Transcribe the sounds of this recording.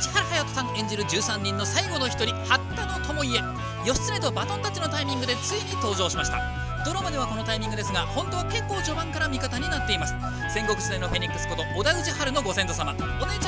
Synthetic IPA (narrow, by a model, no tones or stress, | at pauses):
t͡ɕi̥haɾɯhajat̪osãŋẽ̞ɲ̟d͡ʑiɾɯ̟d͡ʑɨːsãɲ̟ːĩnːo̞saiɡo̞no̞çi̥t̪o̞ɾʲihat̪ːano̞t̪o̞moie | jo̞ɕi̥t͡sɨɾet̪o̞bat̪õnt̪at͡ɕino̞t̪aimʲĩŋɡɯd̪e̞t͡sɨiɲ̟it̪o̞ːʑo̞ːɕimaɕi̥t̪a̰ | d̪̥o̞ɾamad̪e̞βako̞no̞t̪aimʲĩŋɡɯd̪e̞sɨɡahõ̞nt̪o̞ːβake̞ŋkːo̞ːʑo̞bãŋkaɾamʲikat̪aɲ̟inat̪ːe̞imasɨ̥ | sẽ̞ŋɡo̞kɯ̟sɨenoɸe̞ɲ̟ikːɯ̟sɨ̥ko̞t̪o̞ʔːd̪aɯ̟t͡ɕihaɾɯ̟no̞ɡo̞sẽ̞nt̪osama | onet͡ɕ